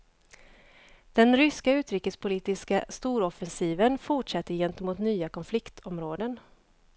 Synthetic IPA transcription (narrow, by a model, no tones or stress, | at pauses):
d̪̥ɛnɾʏskaʉ̟ːt̪ɾiːkəspʰʊliːt̪ɪskast̪uːɾɔfɛnsiːvənfʊʈʂɛt̪ːəɾjɛnt̪əmuːt̪nyːakɔnflɪkt̪ʰɔmɾoːd̪ən